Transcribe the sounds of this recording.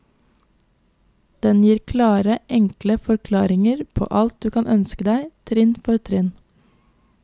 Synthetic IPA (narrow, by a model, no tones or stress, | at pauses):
d̪̥ɛnjiːɾkʰlɑːɾəʔɛŋkləfɔɾkʰlɑːɾɪŋəɾpʰo̰ːʔɑlt̪̚d̪ʉːkʰɑnʔœnskəd̪æɪt̪ʰɾɪnfɔɾt̪ʰɾɪn